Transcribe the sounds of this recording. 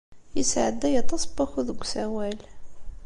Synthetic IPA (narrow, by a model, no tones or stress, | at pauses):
jəsʕəd̪ːæjɑt̪ˤɑsˤbɑxuðəɡʷsæwæl